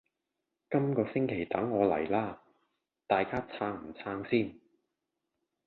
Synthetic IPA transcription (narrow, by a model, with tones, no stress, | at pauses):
kɐ˥mkɔː˧sɪ˥ŋkʰe˨˩jt̪ɐ˨˥ŋːɔː˨˧lɐ̰˨˩jlaː˥ | t̪aː˨jkaː˥t͡sʰaː˧ŋm̩˨˩t͡sʰaː˧ŋsiː˥˩n